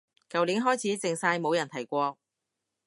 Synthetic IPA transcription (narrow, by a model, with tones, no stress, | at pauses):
kɐ˨wliː˨˥nɦɔː˥jt͡sʰiː˨˥t͡sɪ˨ŋsaː˧jmo˨˧wjɐ˨˩nt̪ʰɐ˨˩jkʷɔː˧